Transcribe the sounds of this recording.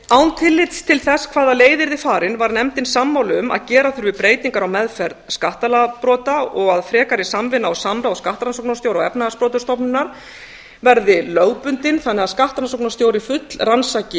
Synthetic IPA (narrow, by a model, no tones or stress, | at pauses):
awnt̪ʰɪlːɪt̪st̪ʰɪlθɛskʰv̥aːðaleːjðɪɾðɪfaːɾɪnvaɾnɛmt̪ɪnsamːawlʏma̰ðcɛːɾaθʏɾvɪðpɾeːjt̪iŋkaɾawmɛðfɛɾðskaht̪alapɾɔːt̪aɔɣaðfɾɛːkaɾɪsamvɪnːaawsamɾawskaht̪ɾansoknasjoːwɾaɣɛ̰pnaaspɾɔːt̪ʏ̥ɾst̪ɔpnɪnːaɾ̥ | vɛɾðɪlœɣpʏnt̪ɪnθanːɛaðskaht̪ɾansowknast̪joːwɾɪfʏt̪lransacɪ